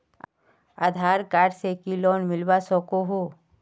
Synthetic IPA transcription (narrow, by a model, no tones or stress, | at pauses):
a̰d̪ʱaːɾkaːɖsekilɔːnmɪlbasɔkoɦo